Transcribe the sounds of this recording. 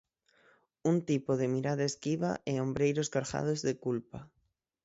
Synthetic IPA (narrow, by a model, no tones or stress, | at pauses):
unt̪ipoðɪmiɾaðaeskiβa̰ʔɛombɾejɾoskaɾxa̰ð̞ozðekulpa